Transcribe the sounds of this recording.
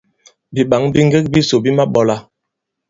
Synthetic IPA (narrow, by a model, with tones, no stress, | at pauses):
bi˨ɓa˨˦ŋbi˦ŋ˦ɡe˦k̚bi˦so˨bi˦ma˦ɓɔ˨la˦